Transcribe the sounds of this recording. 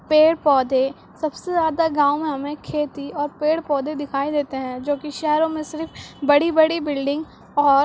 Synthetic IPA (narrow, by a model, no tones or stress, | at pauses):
peːɽpɔːd̪e | sɐbsezjaːd̪aɡãːʊmẽɦɐmẽkʰeːt̪iɔːɾpeːɽpɔːd̪ed̪ɪkʰaːid̪eːt̪eɦɛ̃d͡ʒoːkiʃɛɦɾõmẽsɪɾfbɐɽibɐɽibɪlɖɪ̃ŋɡ | ɔːɾ